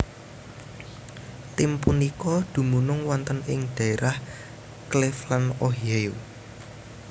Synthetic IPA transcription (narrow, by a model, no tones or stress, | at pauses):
t̪ɪmpunikɔd̪̥ṳmunʊŋwɔnt̪ənɪŋɖ̥ä̤eɾah | klɪflanoɦieu